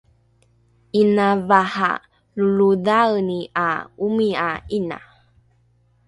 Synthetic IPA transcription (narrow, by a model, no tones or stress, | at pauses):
inavaha̰ | luludawniaumiaina̰